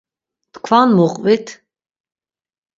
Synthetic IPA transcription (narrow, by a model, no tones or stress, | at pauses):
t̪kʰvanmuqʼvit̪ʰ